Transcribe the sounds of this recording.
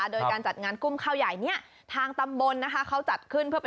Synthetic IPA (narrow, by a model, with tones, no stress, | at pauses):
doː˧jkaː˧nt͡ɕa˨˩t̪̚ŋaː˧nku˧mkʰaː˧˩wja˨˩jni˥˩ɐ | t̪ʰaː˧ŋt̪a˧mbo˧nːa˦˥kʰa˦˥kʰa˦˥wt͡ɕa˨˩t̪̚kʰɯ˥˩npʰɯ˥ɐp